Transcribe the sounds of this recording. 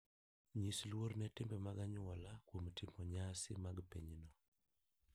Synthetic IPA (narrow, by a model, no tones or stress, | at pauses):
ɲislwoɾnɛtɪmbɛmaɡaɲʊɔlakwomtʰɪmɔɲasɪ̰maɡpḛɲinɔ